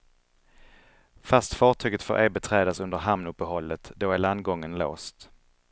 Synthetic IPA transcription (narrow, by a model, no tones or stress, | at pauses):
fast̪fɑːʈʰyːɡət̪fo̰ɾʔɛbɛt̪ʰɾɛːd̪asɵnd̪əɾɦamnɵpːəhɔlːət̪d̪oæɭand̪ɡɔŋːənlo̰ːst̪